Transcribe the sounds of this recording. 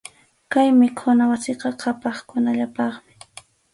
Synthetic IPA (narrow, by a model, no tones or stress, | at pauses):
kajmɪkʰʊnawasɪqɑqʰɑpɑχkʊnaʎapɑχmɪ̥